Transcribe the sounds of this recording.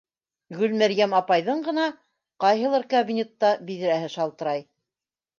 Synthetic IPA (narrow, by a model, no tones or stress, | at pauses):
ɡɵlmæɾjæmɑpɑjðɤɴɢɤ̆nɑ | qɑjɦɤ̆lˠɑɾkabʲinʲet̪ːɑbiðɘ̆ɾæhɘʃɑlˠt̪ɤ̆ɾɑj